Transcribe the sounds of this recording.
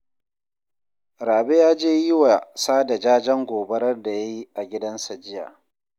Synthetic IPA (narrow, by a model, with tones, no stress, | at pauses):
ɾaː˨be˦jaː˦d͡ʒeː˦ji˦wa˨saː˦da˨d͡ʒaː˦d͡ʒɐ˦ŋɡʷoː˨bɐ˦ɽɐ˦rda˨ja˦ji˦ʔa˨ɡʲɪ˦dɐ˦nsa˨d͡ʒɪ˦ja̰ː˨